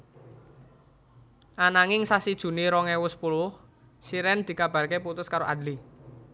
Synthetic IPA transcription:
ʔanaŋɪŋsasid̥ʒ̥ṳniɾɔŋɛwʊspulʊh | siɾɛnd̪̥i̤kab̥a̤rkeput̪ʊskaɾoʔad̪li

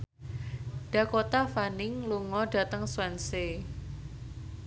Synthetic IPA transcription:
ɖ̥a̤kot̪afanɪŋluŋɔɖ̥a̤t̪əŋswɛnse

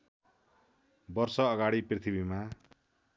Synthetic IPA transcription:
bʌrsʌːɡaɽiprit̪ʰibima

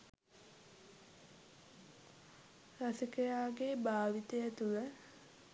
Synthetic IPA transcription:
rasikəjaːɡebaːʋit̪əjət̪ulə

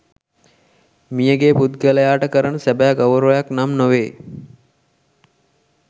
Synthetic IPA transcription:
mijəɡeːput̪̚ɡələjaːʈəkəɾənəsæbæːɡawɾojaknamnoʋeː

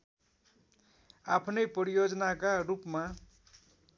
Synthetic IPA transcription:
apʰnʌjpʌɾijod͡znakaɾupma

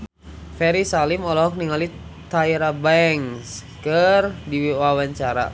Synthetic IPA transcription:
fɛɾisalimɔlɔɦɔk̚niŋalit̪aiɾabɛŋskərdiwiwawaɲt͡ʃaɾa̰

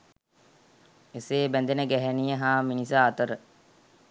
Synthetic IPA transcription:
eseːbænd̪enəɡæɦænijəɦaːminisaat̪əɾə

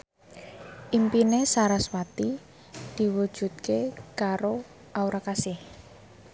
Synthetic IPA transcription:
ʔimpinesaɾaswat̪i | d̪̥i̤wud̥ʒ̥ṳt̪̚kekaɾo | ʔauɾakasɪh

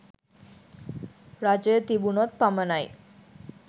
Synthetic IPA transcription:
ɾad͡ʑet̪ibunɔt̪̚pamənaj

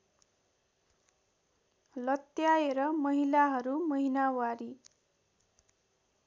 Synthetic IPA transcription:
lʌt̪jaeɾʌmʌɦilaɦʌɾumʌɦinawaɾi

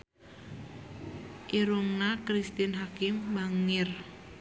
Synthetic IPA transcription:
ʔiɾuŋnakɾist̪inɦakɪmbaŋɪr

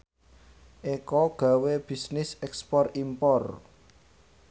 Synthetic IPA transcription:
ʔekɔɡ̥a̤web̥i̤snɪsɛkspɔrimpɔr

